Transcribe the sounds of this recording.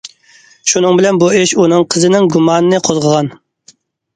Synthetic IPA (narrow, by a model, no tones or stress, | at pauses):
ʃunɨŋbɪlɛnbueʃunɨŋqʰəzɨnɪŋɡumɑːnɨnɨqʰozʁəʁɑn